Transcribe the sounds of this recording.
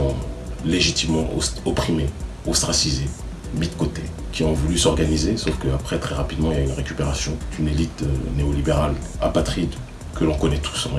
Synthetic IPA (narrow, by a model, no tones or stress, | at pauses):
ɔ̃leʒit̪imːɑ̃ʔɔ̰ɔpχime | ɔst̪χasize | mid̪kot̪e | kʲʰiɔ̃vulysɔʁɡanizesofkəapχɛt̪χɛʁapid̪mɑ̃iljaynʁekʲypeʁasjɔ̃d̪̥ynelit̪ø̰neɔlibeʁal | a̰pat̪χid̪ | kəlɔ̃kɔnɛt̪ʰu̥sɑ̃